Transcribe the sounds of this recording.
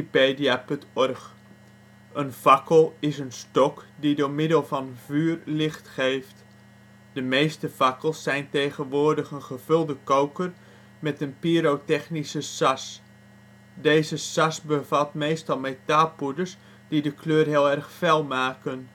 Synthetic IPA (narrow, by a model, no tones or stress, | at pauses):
peːdiapøntɔrx | ənfɑkəlˠɪsənstɔkdidoːrmɪdəlˠvɑnvyːrlɪχtχeːft | d̥əmeːstəfɑkəlˠsːɛjntejχənʋʊːrdəxənχəvɵlˠdəkowkər | mɛtənpiːɾowtɛxnisəsas | deːzəsasbəvatmejstɑlˠmetalˠpudərs | d̥idəkʰløːrɦɪəlˠɛrxfɛlˠmaːkən